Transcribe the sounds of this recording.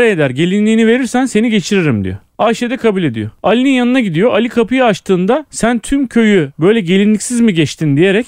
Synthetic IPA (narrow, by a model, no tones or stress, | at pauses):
ɾajed̪æɾɟe̞lʲinlʲiːnive̞ɾiɾsænse̞niɟe̞t͡ʃʰiɾiɾimd̪ḭjo̰ | aʃed̪ɛkʰabulʲe̞d̪ḭjoalʲininjanɯnaɟid̪ijo̞ʔalʲikʰapɯjaaʃt̪ʰɯːnd̪asænt̪ʰymcʰø̞jybø̞jlʲɛɟe̞lʲinlʲicsizmiɟɛt͡ʃt̪ʰind̪ije̞ɾɛc